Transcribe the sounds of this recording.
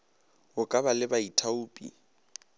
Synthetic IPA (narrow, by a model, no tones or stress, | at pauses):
ʊkʼabalɪbaitʰauːpʼḭ